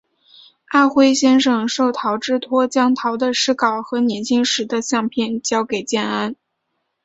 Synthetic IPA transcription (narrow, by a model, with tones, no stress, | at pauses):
a˥˩xwe˥ɪɕjɛ˥nʂɤ˨˩ŋʂo˥˩ʊt̪ʰɑ˧˥ʊʈ͡ʂɻ̩˥˩t̪ʰwɔ˥t͡ɕjɑ˥ŋt̪ʰɑ˧˥ʊd̪ə˧ʂɻ̩˥kɑ˨˩ʊxɤ˧˥njɛ˧˥nt͡ɕʰi˥ŋʂɻ̩˧˥d̪ə˧ɕjɑ˥˧ŋpʰjɛ˥˩nt͡ɕjɑ˥ʊke˨˩ɪt͡ɕjɛ˥˩na˥n